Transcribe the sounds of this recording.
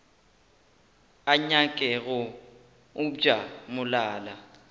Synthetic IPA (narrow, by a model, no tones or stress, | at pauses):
aɲakʼɛɣɔ | u̥ʒ̥ʱamulaːla